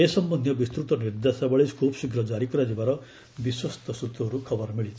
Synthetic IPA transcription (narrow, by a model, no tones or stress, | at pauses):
esʌmbʌnd̪ʱjʌbist̪ɾut̪ɔnird̪asabaɭiskʰopsuɡɾʌd͡zaɾikuɾad͡zibaɾʌ | biswʌst̪ʌsut̪ːuɦʌɾukʰʌbʌrmiɭit͡sʰ